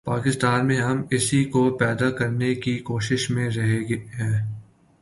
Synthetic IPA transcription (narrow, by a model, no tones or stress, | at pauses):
paːkɪst̪aːnmẽɦɐmɪsikopɛːd̪akɐɾnekikoːʃɪʃmẽɾɐɦeɡeɦɛ̃ː